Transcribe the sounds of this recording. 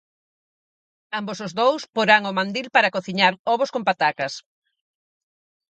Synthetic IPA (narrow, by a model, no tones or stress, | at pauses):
ambosozðowspoɾaŋomãnd̪ilpaɾakoθiɲaɾɔβʊskompat̪akɐs